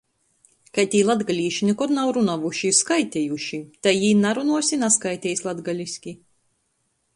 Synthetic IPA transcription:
kajt̪ʲiːlˠad̪ɡalʲiːʃinikɔd̪nawɾunavuʃiskajt̪ʲɛjuʃit̪ajiːnaɾunuɔsʲinaskajt̪ʲɛjsʲlˠad̪ɡalʲisʲkʲi

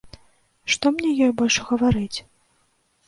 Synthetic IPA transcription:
ʂt̪ɔmnʲɛjɔjbɔlʲʂɣɐvaɾɨt͡sʲ

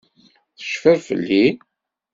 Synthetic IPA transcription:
θə̥ʃfæɾfə̰lːi

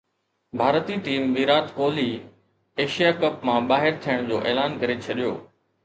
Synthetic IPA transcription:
bʱaːɾət̪iːʈiːmʋiːɾaːt̪koːliː | eːʃijakɐpmãɓaːɦɪɾt̪ʰijəɽ̃d͡ʑoːʔeːlaːnkɐɾet͡ɕʰɐɗijo̰ː

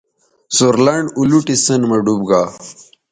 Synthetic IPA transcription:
suɾlɐɳɖuluʈisənmɐɖubɡaː

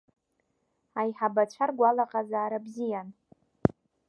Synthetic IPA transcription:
ajħabat͡ɕʷʰarɡʷalaqʼazaːɾabzijan

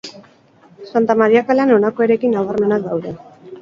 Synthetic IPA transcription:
sant̪amaɾiakalano̞nako̞e̞ɾe̞kinaɣarme̞nak̚d̪awðe̞

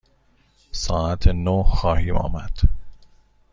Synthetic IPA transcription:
sɒːæt̪ʰenoxɒːhiːmɒ̰ːmæd̪̥

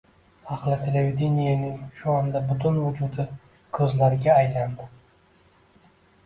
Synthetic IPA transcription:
aχlˠɪt̪ʰe̞levʲed̪ʲenijanɪŋʃʊɒnd̪abʊt̪ʰʊnvʊd͡ʒʊd̪ɪ | kʰɵzlaɾɪɡʲaːjland̪ɪ

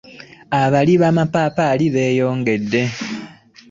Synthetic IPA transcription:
aβaliβaːmapaːpaːliβe̞ːjo̞ːŋɡe̞dːe̞

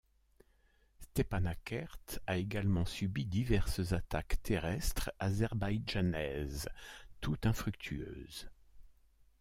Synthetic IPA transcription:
st̪epanakʰaʁt̪aeɡalmɑ̃sybid̪ivɛʁszat̪akt̪ʰeʁɛst̪χazɛʁbajʒanɛzt̪ut̪ɛ̃fχykt̪ʰyø̰ːz

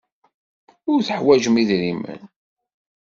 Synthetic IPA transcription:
ʊɾθəħwæʒəmiðɾimə̰n

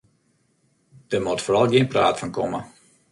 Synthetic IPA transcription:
d̥əmotfoːɾɑlˠɡiənpra̰ːtfɔnkɔmə

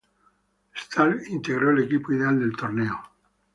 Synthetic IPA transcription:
st̪alint̪e̞ɣ̞ɾo̞ele̞kipoiðeald̪e̞lt̪oɾne̞o

